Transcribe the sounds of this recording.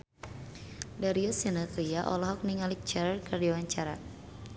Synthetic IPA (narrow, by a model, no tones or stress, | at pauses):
daɾiɔsinat̪ijaʔɔ̰lɔɦɔk̚niŋalik̚t͡ʃɛɾarkərdiwaɲt͡ʃaɾa